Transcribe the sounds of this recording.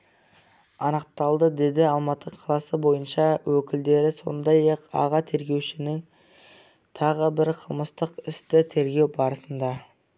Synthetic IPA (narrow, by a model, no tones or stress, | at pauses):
ɑnəq̚t̪ɑlˠd̪əd̪e̞d̪ɪɑlˠmɑt̪ʰəqʰɑlˠɑsəbo̞jənʃɑwɵkʲɪld̪e̞ɾɪso̞̰nd̪ɑjɑqɑ̰ʁɑt̪ʰe̞ɾɡʲe̞wʃɪnɪŋ | t̪ʰɑʁəbɪɾqʰəlˠməst̪əqɪst̪ɪt̪ʰe̞ɾɡʲe̞wbɑɾəsənd̪ɑ